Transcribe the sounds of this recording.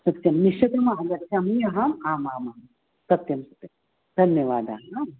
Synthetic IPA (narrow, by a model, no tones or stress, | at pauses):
sɐt̪jɐmniʃɐt̪ɐmaɦɐd̪ɐt̪samijɐɦaːmaːmaːmaː | sɐt̪jɐmsɐ̥t̪jɐm | d̪ʱɐnjɐʋaːd̪a̰ːɦam